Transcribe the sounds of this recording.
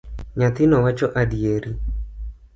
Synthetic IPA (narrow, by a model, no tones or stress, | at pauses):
ɲat̪ɪnɔwat͡ʃɔʔadieɾi